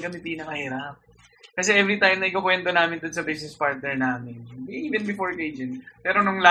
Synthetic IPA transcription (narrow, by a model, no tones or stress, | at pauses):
kɐmɛpiːnɐkɐhiːɾɐp̚ | kɐsɛʔɛvɾit̪ajmnɐʔɪkokwɛnt̪o̞naːmɪnd̪onsɐbejsɛspaɹt̪̚nɛɹnaːmɪnbiʔiːvɛnbɪfoɹkejd͡ʒɛnpɛːɾo̞nʊŋla